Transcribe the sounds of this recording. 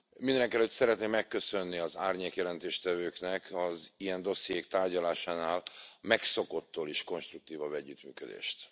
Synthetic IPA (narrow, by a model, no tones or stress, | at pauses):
mind̪ɛnɛŋkɛlːøt̪ʲsɛɾɛt̪neːmːɛkːø̞sø̞nːiɒzaːrɲeːkjɛlɛnt̪eːʃt̪ɛvøːknɛkʰɒzijɛnd̪o̞sijeːkt̪aːrɟɒlaːʃaːnaːlmɛkso̞ko̞t̪ːoːliʃko̞nʃt̪ruk̚t̪iːvɒbɛɟːyt̪my̰ːkød̪ḛːʃt̪